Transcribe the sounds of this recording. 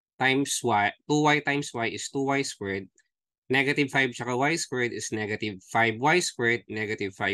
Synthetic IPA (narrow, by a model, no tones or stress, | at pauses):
t̪ajmswat̪uwajt̪ajmswajʔɪst̪uwajskwɛd̪̚ | nɛɡɐt̪ɪvfajb̚t͡ʃɐkɐwajskwɛd̪ɪsnɛɡɐt̪ɪvfajbwajskwɛd̪̚nɛɡɐt̪ɪvfaj